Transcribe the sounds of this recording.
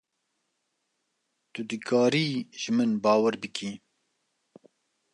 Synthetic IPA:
t̪ud̪ɨkʰɑːɾiːʒɨmɨnbɑːwəɾbɨkʰiː

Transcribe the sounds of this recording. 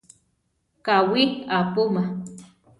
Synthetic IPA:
kawikapʊma

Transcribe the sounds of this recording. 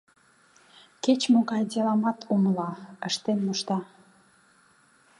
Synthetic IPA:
ket͡ɕmoɣɑjd̪elɑmɑt̪ʰuməlɑəʃt̪enmoʃt̪ɑ

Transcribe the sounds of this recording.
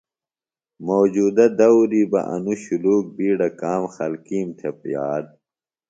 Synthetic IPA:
moːd͡ʑuːd̪ɐd̪ɐwɾibɐ̰ʔɐ̰nuɕuluːk̚biːɖɐkaːmxɐlkiːmt̪ʰepjaːd̪̚

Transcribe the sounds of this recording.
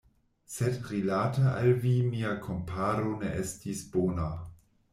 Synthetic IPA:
sedɾilataʔalvimiakʰompʰaɾoneʔestisb̥oːna

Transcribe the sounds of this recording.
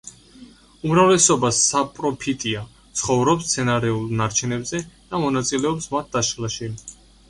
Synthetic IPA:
umɾavlɛsɔbasapʼɾɔpʰit̪ʼia | t̪sʰχɔvɾɔpst̪sʰɛnaɾɛulˠnaɾt͡ʃʰɛnɛbzɛd̪̥amɔnat̪sʼilɛɔpsmat̪̚d̪̥aʃlˠaʃi

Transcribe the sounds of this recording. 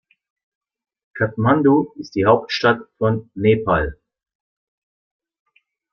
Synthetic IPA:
kʰap̚mandoɪst̚d̥iːhaʊp̚tʃtatfɔnːeːpʰal

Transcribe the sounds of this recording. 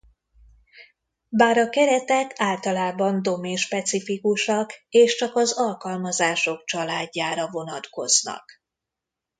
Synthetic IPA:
baːɾɒkɛɾɛt̪ɛkʰaːlt̪ɒlaːbɒnd̪o̞meːnʃpɛt̪sifikuʃɒkeːʃt͡ʃɒkɒzɒlkɒlmɒzaːʃo̞kt͡ʃɒlaːɟːaːɾɒvo̞nɒt̪ko̞znɒ̰k

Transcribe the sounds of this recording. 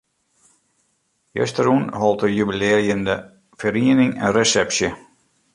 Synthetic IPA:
jø̰stəɾunɦɔlˠtəjybilɪəɾjəndə | fəɾiənɪŋə̰nresɛpsjə

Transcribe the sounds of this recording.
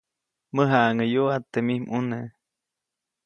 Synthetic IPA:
məɦaʔŋəjoat̪ːemihmune

